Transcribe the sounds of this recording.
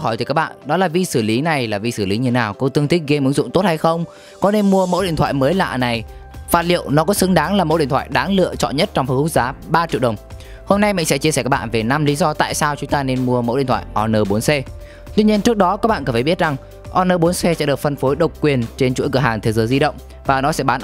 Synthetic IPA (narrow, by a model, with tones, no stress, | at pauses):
ɦɔ˧˩jt̪ɨ˨˦kaː˦˥k̚ɓa̰ː˧˨nɗɔ˨˦laː˨˩vi˧sɨ˧˩li˨˦na˨˩jlaː˨˩vi˧˩sɨː˧˩li˨˦ɲɨ˧˦naː˨˩wkɔ˧˦t̪ɨ˧əŋt̪ʰï˦˥k̚ɣe˧mʔɨ˨˦əŋzʊ̰˧˨ŋ͡mt̪o˦˥t̚ha˧jxə˧wŋ͡m | kɔ˨˦ne˧nmu˧əmo̰˧˥wɗḭ˧˨ət̪ʰa̰ː˧˨jməː˨˦jla̰ː˧˨na˨˩jfaː˦˥t̚lḭ˧˨əwnɔ˨˦kɔ˨˦sɨ˨˦ŋɗaː˨˦ŋlaː˨˩mo̰˧˥ɗḭ˧˨t̪ʰwa̰ː˧˨jɗaː˨˦ŋlɨ̰˧ət͡ɕɔ̰˧˨nɲə˦˥t̚t͡ɕɔ˧wŋ͡mfə˨˧˩hkʊ˦˥k̚zaː˨˦ɓaː˧t͡ɕḭ˧˨wɗə˨˩wŋ͡m | ho˧mna˧jmḭ̈˧˨ŋ̟sɛ̰˧˥t͡ɕi˧sɛː˧˩kaː˦˥ɓa̰ː˧˨ve˨˩na˧mli˨˦zɔ˧t̪a̰ː˧˨jsaː˧wt͡ɕʊ˨˦ŋ͡mt̪aː˧ne˧nmu˧əmo̰˧˥ʔḭ˨˧˨t̪ʰwa̰ː˧˨jʔɔ˧nəː˧˩ɓo˨˦nse˧ | t̪wi˧ɲi˧ənt͡ɕɨ˦˥ək̚ɗɔ˨˦kaː˦˥ɓaː˧nkəː˧˩fʰaː˧˩ɓi˦˥t̚za˨˩ŋ | ʔɔ˧nəː˧ɓo˨˦nsɛ˧sɛ̰˧˥ɗɨ˨˩ək̚fə˧nfo˨˦jɗə˨˩wk͡p̚kwi˨˩ənt͡ɕe˧nt͡ɕu˧˥jkɨ˧˩əɦaː˨˩ŋt̪ʰe˨˦zəː˨˦jzi˧ɗə̰˧˨wŋ͡m | vaː˨˩nɔ˨˦sɛ̰˧˥ɓaː˨˦n